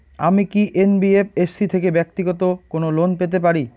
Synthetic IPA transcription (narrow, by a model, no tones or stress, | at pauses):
amikiʔenbiepesːit̪ʰekebɛk̚t̪iɡɔt̪okonolonpet̪̬ep̬aɾi